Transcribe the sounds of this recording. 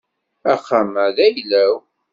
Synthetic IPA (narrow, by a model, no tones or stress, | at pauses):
æχːaməðæjlæw